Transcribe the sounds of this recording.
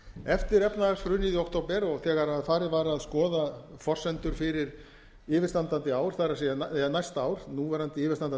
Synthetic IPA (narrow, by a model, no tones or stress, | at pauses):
ɛft̪ɪɾɛpnaasfɾʏniðɪowkt̪awpɛːɾɔθɛːɣaɾaðfaːɾɪvaːɾaːðskɔːðafɔr̥sɛnt̪ʏɾ̥fɪɾɪɾ | ɪːvɪst̪ant̪ant̪ɪaːwɾ̥θaɾasɛːjaajanajst̪aːwɾ̥nuvɛɾant̪ɪɪːvɪɾ̥st̪ant̪